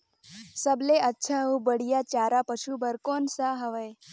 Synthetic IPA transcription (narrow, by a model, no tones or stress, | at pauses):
səbleətːʃʰãũbəɽijat͡ɕaːɾapəʃubəɾkonsaɦəʋəj